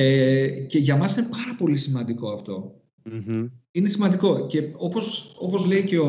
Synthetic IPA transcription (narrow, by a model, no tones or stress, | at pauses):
ece̞ʝɐmɐsine̞pɐɾɐpo̞lisimɐnd̪iko̞ɐft̪o̞̰ | ine̞simɐnd̪iko̞ce̞o̞po̞so̞po̞zle̞ice̞o